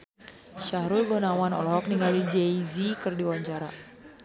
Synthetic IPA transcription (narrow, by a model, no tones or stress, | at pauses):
ʃaɦɾulɡonawanɔ̰lɔɦɔk̚niŋɡalid͡ʒɛizikɨrdiwaɲt͡ʃaɾa̰